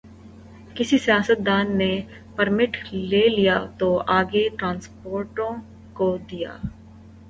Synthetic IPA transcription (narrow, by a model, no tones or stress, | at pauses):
kɪsisijaːsət̪̚d̪aːnːe | pəɾmɪʈʰleːlijaːt̪oːʔaːɡeʈɾãːnspoːɾʈõː | kod̪ija̰ː